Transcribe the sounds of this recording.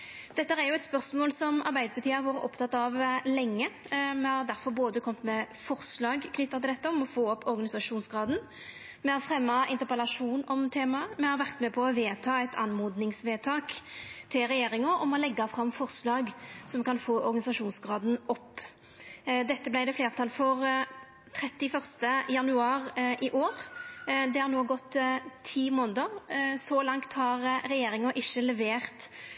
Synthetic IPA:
d̪̥ɛt̪ːəɾæjʊɛt̪spœʁsmoːlsɔmɑɾbæɪd̪əɾbət̪ʰiːɑʋoːɾə̰ʔɔpːt̪ʰɑt̪ːɑʋlɛŋːə | mɛhɑɾd̪æɾfɔɾboːd̪əkʰɔmt̪mɛ | fɔʁslɑːɡkʰnʏt̪ːɑt̪ɪɛt̪ːəɔmɔfoːɔpːɔɾɡɑnɪsɑʂuːnsɡɾɑːd̪n | mɛhɑɾfʁɛmːɑʔɪnt̪əɾpəlɑʂuːnɔmt̪ʰeːmɑəmɛhɑɾʋæʁt̪mɛpʰɔɔʋeːt̪ʰɑːæɪt̪ʰɑ̰nmoːd̪nɪŋsʋeːt̪ʰɑːkt̪ʰɪlʁɛjeːɾɪŋɑʔɔmɔlɛɡːɑfɾɑmfɔʁslɑːɡsɔmkɑnfoːʔɔɾɡɑnɪsɑʂuːnsɡʁɑːd̪n̩ɔpː | d̪ɛt̪ːəblæɪd̪ɛfleːʁt̪ʰɑlfɔʁ | t̪ʰɾɛt̪ːɪfœʁst̪əjɑnʉɑːɾʔɪʔoːʁd̪ɛhɑɾnoːɡɔt̪ːt̪ʰiːmoːnd̪əʁsɔlɑŋt̪hɑʁɾɛjeːɾɪŋɑʔɪʃːəlɛʋeːʁt̪

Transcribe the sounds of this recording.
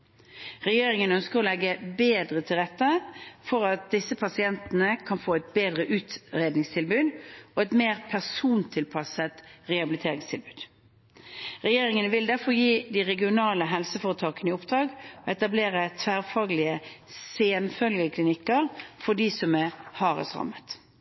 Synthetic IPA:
ʁɛjeːɾɪŋənœnskəʁɔlɛɡəbeːd̪ʁət̪ʰɪlʁɛt̪ːəfɔʁɑt̪̚d̪ɪsːəpʰɑsɪɛnt̪ənəkʰɑnfoːɛt̪̚beːd̪ʁəʔʉːt̪ʁeːd̪nɪŋst̪ʰɪlbʉːd̪ɔɛt̪meːʁpʰæʁsuːnt̪ʰɪlpʰɑsət̪ʁɛɑbɪlɪt̪ʰeːʁɪŋst̪ʰɪlbʉːd̪ | ʁɛjeːɾɪŋənəʋɪld̪æʁfɔɾjiːd̪ɪʁɛɡɪʊnɑːləɦɛlsəfɔʁət̪ʰɑːkənəɪʊpd̪̥ɾʁɑːɡɔɛt̪ɑbleːʁət̪ʰʋæːʁfɑːɡlɪəseːnfœlɡəkʰlɪnɪkːəʁfɔɖiːsɔmæʁhɑːʁə̰sʁɑ̰mːət̪

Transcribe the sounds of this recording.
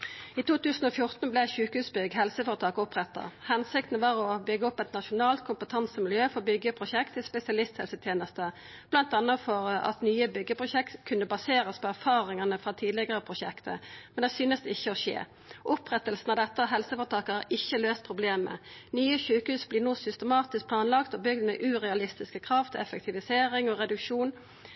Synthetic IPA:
iːt̪ʰuːt̪ʉːsn̩ɔfjʊʁt̪n̩blɛçʉːkəhʉːsbʏɡɦɛlsəfɔːʁət̪ʰɑːkʊpʁɛt̪ːə̰hɛnsɪkt̪n̩ʋɑːʁɔbʏɡəɔpɛt̪nɑʃʊnɑːlt̪̚kʰʊmpət̪ʰɑnsəmɪljøːfɔʁbʏɡəpʰʁʊʃɛkt̪ʰɪspɛsɪɑlɪst̪hɛlsət̪ʰjeːnəst̪ə | b̥lɑnt̪ɑnːəfɔʁɑ̰t̪nyːəbʏɡːəpʁʊʃɛkt̪kʰʉnːəbɑseːɾəspʰɔæʁfɑːʁɪŋɑnəfʁɑt̪ʰiːd̪lɪɡəʁəpʰʁʊʃɛkt̪ʰə̰mɛnd̪ɛsyːnəsd̪ɛɪçːəɔʃḛː | ʔʊpʁɛt̪ːəlsn̩ɑd̪ɛt̪ːəɔɦɛlsəfɔt̪ʰɑːkəɑʔɪçːəløːst̪̚pʰʁʊbleːmə̰nyːəçøːkhʉːsbliːʁnuːsʏst̪əmɑːt̪ɪsk̚pʰlɑːnlɑkt̪ɔbʏɡd̪mɛ̰ːʔʉːʁɛɑlɪst̪ɪskəkʰʁɑft̪ʰɛfək̚t̪ʰɪʋɪseːɾɪŋɔʁɛd̪ʉkʂuːn

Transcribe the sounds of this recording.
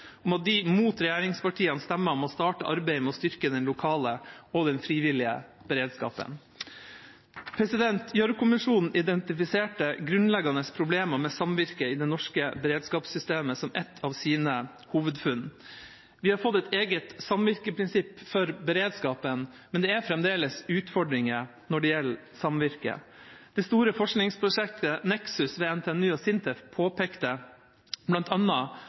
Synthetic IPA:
ɔmɑt̪̚d̪ɪmuːt̪ɾɛjæːɾɪŋspɑʈʰiːənst̪ɛmːəɾɔmɔst̪ɑːʈəʔɑɾbeɪmɛɔst̪ʏɾkəd̪ɛnlʊkʰɑːləɔd̪ɛnfɾiːʋɪlɪə̰ | b̥əɾeːd̪skɑ̰ːpə̰n | pʰɾɛsɪd̪ɛnt̪ʰjœɾkʰʊmɪʂuːnn̩ɪd̪ɛnt̪ɪfɪseːʈəɡɾʉnlɛɡɑnəspʰɾʊbleːmɑɾmɛsɑmʋɪɾkəɪd̪ɛnɔʂkəbɛɾeːd̪skɑːpsʏst̪eːməsɔmʔɛt̪ʰːɑːʋsiːnə | huːʋəd̪fʉn | ʋɪhɑɾfɔt̪ːɛt̪ʰeːɡət̪sɑmʋɪɾkəpʰɾɪnsɪpːfɔɾbɛɾeːd̪skɑːpən | mɛnd̪ɛæɾfɾɛmd̪eːləsʉːt̪fɔɖɾɪŋə | nɔɖɛjɛl | sɑmʋɪɾkə̰d̪̥ɛst̪uːɾəfɔʂknɪŋspʰɾʊʂɛk̚t̪ənɛksʉsʋeːɛnt̪ʰeɛnʉːɔsɪnt̪ʰɛfpʰoːpʰeːkt̪ə | blɑnt̪ʰɑnːɑ

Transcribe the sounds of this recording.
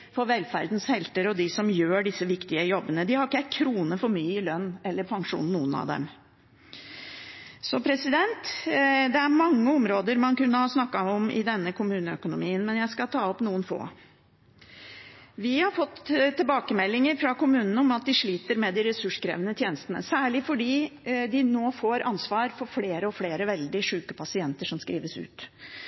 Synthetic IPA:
fɔɾʋɛlfæ̰ɾd̪n̩shɛlt̪əɾɔd̪ɪsɔmjøːɖɪsːəʋɪkt̪ɪəjɔbːənəd̪ɪhɑɾɪkːəækʰɾuːnəfɔɾmyːəɪlœnːɛlːəɾpʰɑŋʂṵːnːuːənɑ̰ʋd̪ɛ̰m | sɔpʰɾɛsɪd̪ɛnt̪d̪ɛæɾmɑŋːəɔmɾoːd̪əɾmɑnkʉnːəhɑsnɑkːɑɔmɪ̰d̪ɛnːəkʰʊmʉːnəœkʊnʊmiːənmɛnjæɪskɑt̪ʰɑːɔpnuːənfo̰ː | ʋɪhɑɾfɔt̪ːt̪ʰːɪlbɑːkəmɛlːɪŋəɾfɾɑkʊmʉːnənəɔmɑt̪̚d̪ɪʂɭiːt̪əɾmɛd̪ɪɾɛsʉʂkɾḛːʋənət̪ʰjeːnəst̪ənə̰sæːɭɪfɔɖiːd̪ɪnoːfoːɾʔɑnsʋɑːɾfɔɾfleːɾəɔfleːɾəʋɛld̪ɪʂʉːkəpʰɑsɪɛnt̪əʂɔmskɾiːʋəsʉ̰ːt̪

